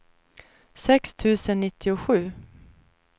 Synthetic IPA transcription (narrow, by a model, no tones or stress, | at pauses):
sɛkst̪ʰʉ̟ːsənːɪt̪ʰːɪʊɧʉ̟ː